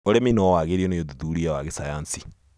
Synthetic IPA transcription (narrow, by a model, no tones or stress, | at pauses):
oɾeminɔwaɣeɾiɔnejoðuðuɾiawaɣesajansi̥